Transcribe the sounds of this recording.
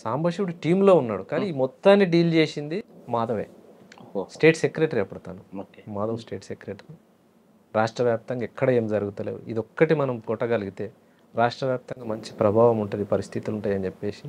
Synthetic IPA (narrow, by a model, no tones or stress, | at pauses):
saːmbʱɐʂiʋuɽuʈiːmlo̞ːunːaːɽukaːnimɔt̪ːaːnːiɖiːld͡ʒe̞ːsind̪imaːd̪ɐʋḛː | sʈe̞ːʈsekɾeːʈɐɾiɐpːɐɽɐt̪a̰ːnumaːd̪ɐʋsʈe̞ːʈsekɾeːʈɐɾi | ɾaːʂʈɾɐʋjaːp̚t̪ɐŋɡaɛkːɐɽɐe̞ːmd͡ʒɐɾuɡut̪ɐlḛːwṵḭd̪ɔkːɐʈimɐnɐmkɔʈːɐɡɐliɡit̪e̞ː | ɾaːʂʈɾɐʋjaːp̚t̪ɐŋɡaːmɐɲt͡ʃi̥pɾɐbʱaːʋɐmuɳʈund̪ipɐɾist̪ʰit̪iluɳʈaːjɐnit͡ʃepːe̞ːsi